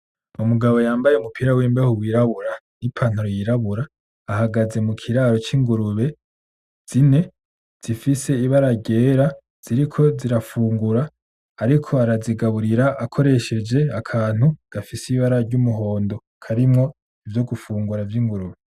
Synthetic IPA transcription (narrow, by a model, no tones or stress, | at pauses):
umuɡaβo̞jaːmbajeumupʰiɾawiːmbahuwiːɾaβuɾanipʰan̥oɾojiɾaβuɾaː | haɡaze̞mukʰiɾaːɾo̞t͡ʃiːŋɡuɾuβe̞ | z̥ine̞ | z̥ifise̞iβaɾaɟe̞ːɾa | z̥iɾikʰo̞ziɾafuːŋɡuɾaː | ɾikʰo̞aɾaziɡaβuɾiɾaʔakʰo̞ɾe̞ʃe̞d͡ʒe̞akʰaːn̥huɡ̥afisiβaɾaɾɟumuɦo̞ːndo̞ | kʰaɾimŋo̞ | ivjo̞ɡufuːŋɡuɾavjiŋɡuɾuβe